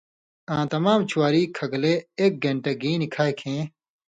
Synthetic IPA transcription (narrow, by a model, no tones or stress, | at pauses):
ãːt̪ɐmaːmt͡ɕʰuwaːɾiːkʰɐɡleeːk̚ɡʱɐ̃ɳʈeɡiːnikʰaːjkʰẽː